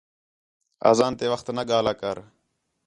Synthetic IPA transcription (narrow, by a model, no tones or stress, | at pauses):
a̰ːzaːnt̪eːʋəxt̪nəɠaːlaːkəɾ